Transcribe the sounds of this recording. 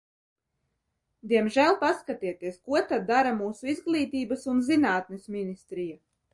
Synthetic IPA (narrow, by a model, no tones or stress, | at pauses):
d̪iɛmʒælˠpaskat̪iɛt̪iɛskuɔt̪ad̪ːaɾamuːsuizɡlˠiːt̪iːbasunzinaːt̪nesminist̪ɾija